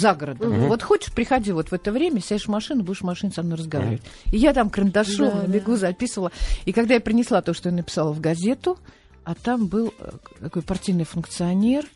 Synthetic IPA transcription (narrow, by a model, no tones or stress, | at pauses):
zaɡəɾəd̪ʊvo̞t̪xo̞t͡ɕɪ̥ʂpɾʲɪxɐdʲivo̞t̪vɛt̪əvɾʲemʲəsʲaɪʂmɐʂɨnʊbudʲɪʂmɐʂɨnʊsɐmno̞jrəzɡɐva̰ɾʲɪvətʲɪjat̪amkɾənd̪ɐʂomnəbʲɪɡuzɐpʲisəvəlˠəikɐɡd̪ajapɾʲɪnʲɪslˠat̪oʂt̪ojanəpʲɪ̥salˠəvɡɐzʲe̞t̪ʊ | at̪ambɨlˠt̪ɐko̞jpɐrtʲijnɨjfʊnkt̪sɨɐnʲe̞r